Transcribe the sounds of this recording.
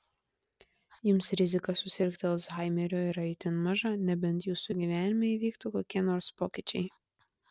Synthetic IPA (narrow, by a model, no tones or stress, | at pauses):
jɪmsɾʲɪzʲɪkɐsʊsʲɪɾʲkt̪ʲɛlˠsɦɑˑɪmʲɛɾʲoːɪɾɐɪt̪ʲɪnmɑʒɑnʲɛbʲɛnt̪juːsʊɡʲiʋʲæːnʲɪmʲɛʋʲiːkt̪uːkoːkʲiɛnoːɾspoːkʲɪt͡ʃʲɛɪ